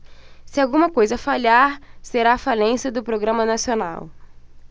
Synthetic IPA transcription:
sɪawɡũmɐkojzɐfaʎaɾseɾaːfalẽsɐd̪ʊpɾoɡɾɐ̃mɐnasiona̰w

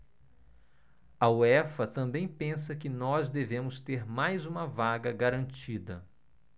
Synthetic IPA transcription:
ɐuɛfɐt̪ɐ̃mbẽj̃pẽsɐkɪnɔzd̪evẽmʊst̪eɾmajzũmɐvaɡɐɡaɾɐ̃nt͡ʃid̪ɐ

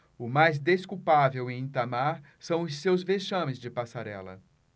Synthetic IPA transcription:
ʊmajzd̪eskuwpavewẽĩt̪amaɾ | sɐ̃w̃ʊsːewzveʃɐ̃mɪzd͡ʒɪpasaɾɛ̰lɐ̰

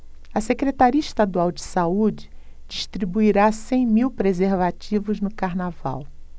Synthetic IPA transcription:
ɐsekɾet̪aɾiɐiʃt̪ad̪uawd͡ʒɪsaud͡ʒɪd͡ʒiʃt̪ɾibuiɾasẽj̃miwpɾezeɾvat͡ʃivʊznʊkaɾnava̰w

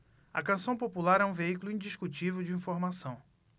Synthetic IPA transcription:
ɐkɐ̃sɐ̃w̃populaɾɛũveikulʊĩd͡ʒiʃkut͡ʃivewd͡ʒɪĩfoɾmasɐ̃w̃

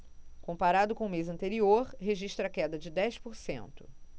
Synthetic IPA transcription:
kõmpaɾad̪ʊkõʊmezɐ̃nt̪eɾioɾɦeʒiʃt̪ɾɐkɛd̪ɐd͡ʒɪd̪ɛjspoɾsḛ̃nt̪ʊ̥

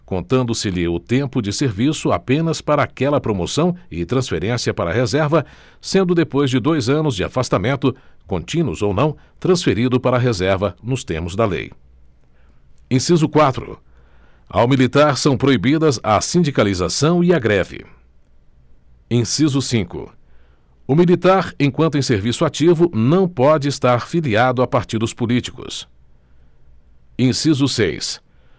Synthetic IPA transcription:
kõnt̪ɐ̃nd̪ʊsɪlɪʊt̪ẽmpʊd͡ʒɪseɾvisʊa̰pẽnɐspaɾɐaːkɛlɐpɾomosɐ̃w̃ɪt̪ɾɐ̃sfeɾẽsiɐpaɾɐːhezɛɾvɐ | sẽnd̪ʊd̪epojzd͡ʒɪd̪ojzɐ̃nʊzd͡ʒɪa̰fast̪amẽnt̪ʊkõnt͡ʃĩnʊzownɐ̃w̃ | t̪ɾɐ̃sfeɾid̪ʊpaɾɐɦezɛɾvɐnʊst̪eɾmʊzd̪ɐlḛj | ẽsizʊkwat̪ɾʊ̰ | a̰wmilit̪aɾsɐ̃w̃pɾoibid̪ɐza̰sĩd͡ʒikalizasɐ̃w̃iaɡɾɛvɪ̰ | ẽsizʊsĩŋkʊ̰ | ʊmilit̪aɾẽkw̃nt̪ʊẽseɾvisʊat͡ʃivʊnɐ̃w̃pɔd͡ʒɪest̪aɾfiliad̪ʊapaɾt͡ʃid̪ʊspʊlit͡ʃi̥kʊ̰s | ẽsizʊsḛjs

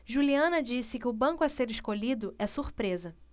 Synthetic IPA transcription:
ʒuliɐ̃nɐd͡ʒisɪkɪʊbɐ̃ŋkʊɐseɾɪʃkoʎid̪ʊʔɛsuɾpɾezɐ

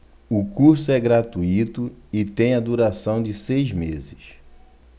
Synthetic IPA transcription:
ʊkuɾsʊɛɡɾat̪uit̪ʊɪt̪ẽj̃ɐd̪uɾasɐ̃w̃d͡ʒɪsejzmezɪʃ

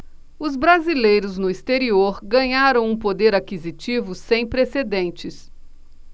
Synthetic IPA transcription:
ʊzbɾazilejɾʊznʊist̪eɾioɾɡɐ̃ɲaɾɐ̃w̃ũpod̪eɾakizit͡ʃivʊsẽj̃pɾesed̪ẽnt͡ʃɪs

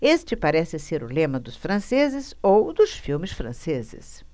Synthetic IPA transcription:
est͡ʃɪpaɾɛsɪseɾʊlẽmɐd̪ʊsfɾɐ̃sezɪzowd̪ʊsfiwmɪsfɾɐ̰̃sezɪ̰s

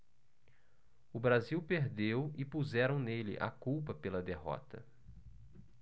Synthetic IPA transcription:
ʊbɾaziwpeɾd̪ewɪpuzɛɾɐ̃w̃nelɪ̰ʔa̰kuwpɐpelɐd̪eɦɔ̰t̪ɐ

